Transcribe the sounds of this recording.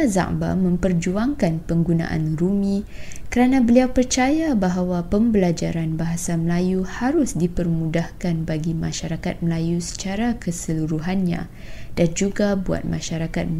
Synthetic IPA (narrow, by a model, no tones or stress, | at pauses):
aza̰ʔba̰mə̃mpərd͡ʒuaŋkanpəŋɡunã̰ʔa̰nrumĩkəɾanãbəliawpərt͡ʃajabaɦawapəmbəlad͡ʒaɾanbaɦasaməlajuhaɾʊsdipərmũdahkanbaɡima̰ʃaɾakat̪̚məlajusə̥t͡ʃaɾakəsəluɾuɦanɲã̰ | d̥and͡ʒuɡabua̰t̪̚mã̰ʃaɾakat̪̚